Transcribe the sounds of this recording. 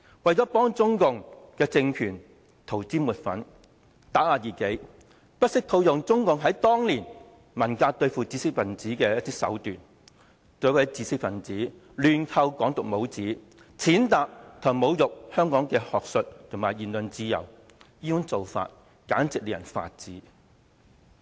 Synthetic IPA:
wɐ˨jt͡sɔː˨˥pɔː˥ŋt͡sʊ˥ŋkʊ˨ŋkɛː˧t͡sɪ˧ŋkʰyː˨˩n | t̪ʰo˨˩wt͡siː˥muː˨t̚fɐ˨˥n | t̪aː˨˥aː˨˧jiː˨˩ke˨˥j | pɐ˥t̚sɪ˥k̚t̪ʰo˧wjʊ˨ŋt͡sʊ˥ŋkʊ˨ŋɦɐ˨˥jt̪ɔː˥ŋliː˨˩n | mɐ˨˩nkaː˧t̪ɵ˧ɥfuː˨t͡siː˧sɪ˥k̚fɐ˨˩nt͡siː˨˥kɛː˧jɐ˥t̪iː˥sɐ̰˨˥wt̪yː˨˩n | t̪o˨˧˥wɐ˨˧jt͡siː˧sɪ˥k̚fɐ˨˩nt͡siː˨˥ | lyː˨nkʰɐ˧wkɔː˨˥ŋt̪ʊ˨k̚mo˨˥wt͡siː˨˥ | t͡sʰiː˨˥nt̪aː˨k̚t̪ʰɐ˨˩ŋmo˨˧wjʊ˨k̚hœː˥ŋkɔː˨˥ŋkɛː˧hɔː˨k̚sɵ˨t̚t̪ʰʊ˨˩maː˨˩jiː˨˩nlɵ˨nt͡siː˧jɐ̰˨˩w | jiː˥jʊ˥ŋt͡so˨wfa̰ː˧t̚ | kaː˨˥nt͡sɪ˨k̚liː˨˩jɐ˨˩nfa̰ː˧t̚t͡siː˨˥

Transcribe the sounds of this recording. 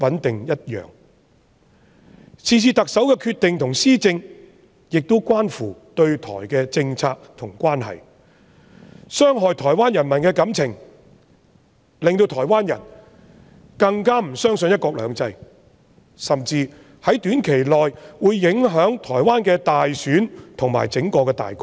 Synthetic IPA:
wɐ˨˥nt̪ɪ˨ŋjɐ˥t̚jœ̰ː˨ŋ | sʰiː˨˧siː˧t̪ɐ˨k̚sɐ˨˥wkɛː˧kʰyː˧t̪ːɪ˨ŋt̪ʰʊ˨˩ŋsiː˥t͡sɪ˧ŋ | jɪ˨k̚t̪o˥wkʷaː˥nfuː˨˩t̪ɵ˧ɥt̪ʰɔ̰ː˨˩jkɛː˧t͡sɪ˧ŋt͡sʰaː˧k̚t̪ʰʊ˨˩ŋkʷaː˥nɦɐ̰˨˩j | sœː˥ŋɦɔː˨˧jt̪ʰɔː˨˩jwaː˥njɐ˨˩nmɐ˨˩nkɛː˧kɐ˨˥mt͡sʰɪ˨˩ŋ | lɪ˨ŋt̪o˧wt̪ʰɔː˨˩jwaː˥njɐ̰˨˩n | kɐ˧ŋkaː˥m̩˨˩sœː˥ŋsɵ˧njɐ˥t̚kɔː˧k̚lœː˨˧ŋt͡sɐ˧j | sɐ˨mt͡siː˧ | hɐ˨˥jt̪yː˨˥nkʰe˨˩jlɔː˨jwuː˨˧jːɪ˨˥ŋɦœː˨˥ŋt̪ʰɔː˨˩jwaː˥nkɛː˧t̪aː˨jsyː˨˥nt̪ʰʊ˨ŋma̰ː˨˩jt͡sɪ˨˥ŋkɔː˧kɛː˧t̪a̰ː˨jkɔ˥

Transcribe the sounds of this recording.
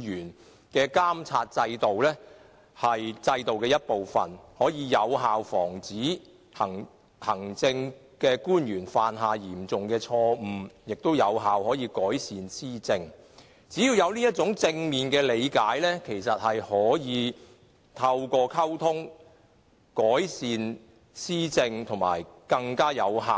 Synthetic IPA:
yː˨˩n | kɛː˧kaː˥mt͡sʰaː˧t̚t͡sɐ˧jt̪o˨wlɛː˥ | hɐ˨jt͡sɐ˧jt̪o˨wkɛː˧jɐ˥t̚po˨wfɐ̰˨˩nhɔː˨˥jiː˨˧jɐ˨˧wɦaː˨wfɔː˨˩ŋt͡siː˨˥ | hɐ˨˩ŋ | hɐ˨˩ŋt͡sɪ˧ŋ | kɛː˧kuː˥njyː˨˩nfaː˨nɦaː˨jiː˨˩mt͡sʊ˨ŋkɛː˧t͡sʰɔː˧˨jɪ˨k̚t̪o˥wjɐ˨˧wɦaː˨whɔː˨˥jiː˧kɔː˨˥jsiː˨nsiː˥t͡sɪ˧ŋ | t͡siː˨˥jiː˧wjɐ˨˧wniː˥jɐ˥t̚t͡sʊ˨˥ŋt͡sɪ˧ŋmiː˨nkɛː˧le˨˧jkaː˨˥jlɛː˥kʰe˨˩jsɐ˨t̚hɐ˨jhɔː˨˥jiː˨˧ | t̪ʰɐ˧wkɔː˧kʰɐ˥wt̪ʰʊ˥ŋ | kɔː˨˥jsiː˨n | siː˥t͡sɪ˧ŋt̪ʰʊ˨˩ŋma̰ː˨˩jkɐ˧ŋkaː˥jɐ˨˧wɦaː˨w

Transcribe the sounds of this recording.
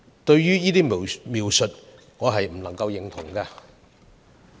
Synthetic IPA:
t̪ɵ˧ɥjyː˥jiː˥t̪iː˥mi˨wmiː˨˩wsɵ˨t̚ | ŋɔː˨˧ɦɐ˨jm̩˨˩lɐ˨˩ŋkɐ˧wjɪ˨˩ŋt̪ʰʊ˨˩ŋkɐː˧

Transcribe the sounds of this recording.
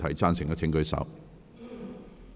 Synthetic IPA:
t̪ʰɐ˨˩jt͡saː˥nsɪ˨˩ŋkɔ˨˧˥t͡sʰɪ˨˥ŋkɵ˧ɥsɐ̰˨˥w

